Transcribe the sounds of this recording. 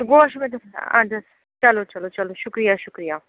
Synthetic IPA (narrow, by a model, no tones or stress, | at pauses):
t̪ɡoːʃmẽd̪ɐsã̰d̪ɐs | t͡ʃɐlot͡ʃɐlot͡ʃɐloʃʊkɾijaʃʊkɾijaː